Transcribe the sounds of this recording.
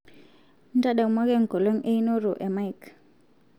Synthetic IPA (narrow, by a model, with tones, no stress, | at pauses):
ntʼa˦ɗa˨u˦ma˦k̬ɛ˦˨ŋ˨ɡʱɔ˨lɔ˦ŋ̩ʔe˦i˦nɔ˦rɔ˨ʔɛ˨ma˦jkʰ